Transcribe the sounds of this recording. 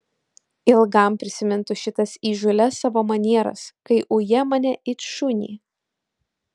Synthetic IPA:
ɪlˠɡɐˑmpʲɾʲɪsʲɪmʲɪnt̪ʊʃʲɪt̪ɐsiːʒʊlʲɛsɑʋoːmɐnʲiɛɾɐ̰skɐɪʔʊjɛmɐnʲɛʔɪt̪ʃʊnʲḭː

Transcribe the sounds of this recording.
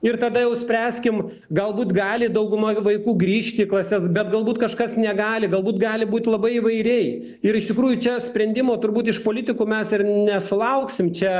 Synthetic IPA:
ɪrt̪ɐd̪ɐjɛʊsʲpʲɾʲæːsʲkʲɪm | ɡɐlˠbuːt̪ɡɑːlʲɪd̪ɐʊɡʊmɐʋɐɪkuːɡɾʲiːʃʲt̪ʲɪklˠɐsʲɛsbʲɛt̪ɡɐlˠbuːt̪kɐʃkɐsnʲɛɡɑːlʲɪɡɐlˠbuːt̪ɡɑːlʲɪbuːt̪lˠɐbɐɪiʋɐɪɾʲɛɪ | ɪɾɪʃt̪ʲɪkɾuːjʊt͡ʃʲɛsʲpʲɾʲɛnʲd̪ʲɪmoːt̪ʊɾbuːt̪ɪʃpoːlʲɪt̪ʲɪkuːmʲɛsɪrnʲɛsʊlˠɐʊksʲɪmt͡ʃʲɛ

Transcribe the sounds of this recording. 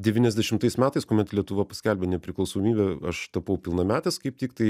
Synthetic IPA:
dʲɛʋʲiːnɛzʲd̪ʲɛʃʲɪmt̪ɐɪsmʲæːt̪ɐɪskoːmʲɛt̪lʲiɛt̪ʊʋɐpɐ̥sʲkʲɛlʲbʲɛnʲɛpʲɾʲɪklˠɐʊsoːmʲiːbʲɛɐʃt̪ɐpɐʊpʲɪlˠnɐmʲæːt̪ʲɛskɐɪp̚t̪ʲiːkt̪ɐɪ

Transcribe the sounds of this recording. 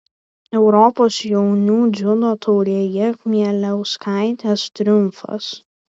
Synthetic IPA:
ɛʊɾɔpoːsjɛʊnʲuːd̪zʲʊlˠoːt̪ʰɔʊɾʲeːjɛmʲiɛlʲɛʊskɑˑɪt̪ʲeːst̪ʲɾʲʊmfɐ̰s

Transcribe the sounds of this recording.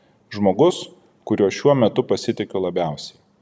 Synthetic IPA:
ʒmoːɡʊs | kʊɾʲuɔʃʲuɔmʲɛt̪ʊpɐsʲɪt̪ʲɪkʲolˠɐbʲæˑʊsʲɛ̥ɪ

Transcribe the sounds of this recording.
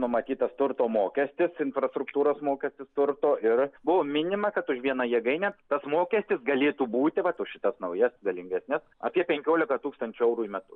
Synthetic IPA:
nʊmɐt̪ʲiːt̪ɐst̪ʊɾt̪oːmoːkʲɛsʲt̪ʲɪsɪnfɾɐst̪ɾʊkt̪uːɾoːsmoːkʲɛsʲt̪ʲɪst̪ʊɾt̪oːʔɪrbʊʋoːmʲɪnʲɪmɐkɐt̪ʊʃʋʲiɛnɐjiɛɡɐɪnʲɛt̪ɐsmoːkʲɛsʲt̪ʲɪsɡɐlʲeːt̪uːbuːt̪ʲɪʋɐt̪oʃʲɪt̪ɐsnɐʊjɛsɡɐlʲɪŋʲɡʲɛsʲnʲɛsɐ̰ːpʲiɛpʲɛŋʲkʲoːlʲɪkɐt̪uːkst̪ɐnʲt͡ʃʲʊɛʊɾuːimʲɛt̪ʊ

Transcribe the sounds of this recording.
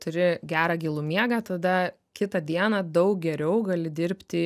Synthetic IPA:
t̪ʊɾʲɪɡʲæːɾɑːɡʲilˠʊmʲiɛɡɑːt̪ɐd̪ɐ | kʲɪt̪ɐd̪ʲiɛnɑd̪ɐʊk̚ɡʲɛɾʲɛʊɡɐlʲɪd̪ʲɪɾʲpʲt̪ʲɪ

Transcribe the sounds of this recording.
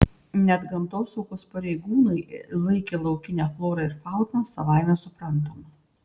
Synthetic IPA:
nʲɛd̪ɡɐmt̪oːsɔʊkoːspɐɾʲɛɪɡuːnɐɪlˠɐɪkʲeːlˠɐʊkʲɪnʲæːflˠoːɾɐɪɾfɑˑʊt̪ɐːsɐʋɑˑɪmʲɛsʊpɾɐnˑt̪̬oːmɐ

